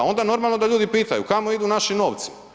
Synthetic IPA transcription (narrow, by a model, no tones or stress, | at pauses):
o̞nd̪ano̞ɾmalˠno̞d̪aʎuːd̪ipiːt̪ajṵkamo̞id̪unaʃino̞ːʋt̪si̥m